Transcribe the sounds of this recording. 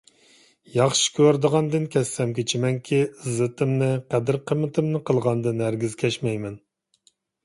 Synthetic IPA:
jɑχʃi̥kʲʰøɾd̪əʁɑnd̪ɨnkʲʰɛsːɛmkʲet͡ʃʰimɛŋkʲʰizɨt̪ʰɨmnɨqæd̪ɪɾqʰəmɨt̪ʰɨmnɨqʰəlˠʁɑnd̪ɨnæɾɡʲizkʲʰɛʃmɛjmɛn

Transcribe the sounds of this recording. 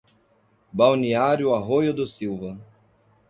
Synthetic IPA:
bawniaɾjʊaɦojʊd̪ʊsiwvɐ

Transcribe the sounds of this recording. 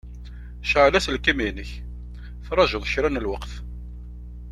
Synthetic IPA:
ʃəʕlæslkiminəç | fɾˤɑʒʊðˤçɾænəlwəqθ

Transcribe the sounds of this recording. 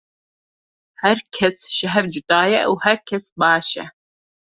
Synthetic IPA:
hɛɾkʰɛsʃɐɦɛvd͡ʒɪt̪aːjɛ̰ʔuhɛɾkʰɛsbɑːʃɛ̰

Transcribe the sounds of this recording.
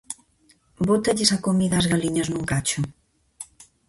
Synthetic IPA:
bot̪ɐʎesakomiðazɣaliɲɐznuŋkat͡ʃu

